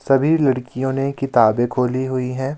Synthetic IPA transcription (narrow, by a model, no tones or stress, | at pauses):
sɐbʱilɐɽkijõnekɪt̪aːbẽkʰoːliɦʊiɦɛ̃ː